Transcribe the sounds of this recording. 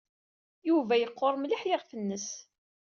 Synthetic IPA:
juvæjəqːoɾˤmliħjɪʁfənːəs

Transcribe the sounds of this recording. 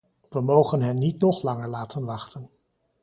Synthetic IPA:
ʋəmowχənɦɛnːitnɔχlɑŋəɹlaːtənʋɑχtən

